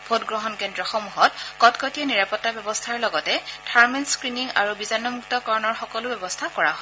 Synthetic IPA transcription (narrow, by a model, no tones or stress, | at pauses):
bʰʱotɡɹɔɦɔnkendɹɔxɔmuɦɔtkɔtkɔtijɔniɹapɔtːabjɔbɔstʰaɹlɔɡɔtɛtʰaɹminskɹiniŋa̰ɹubizanːɔmuktɔkɔɹɔnɔɹxɔkɔlʊbjɔbɔstʰakɔɹa̰ɦɔ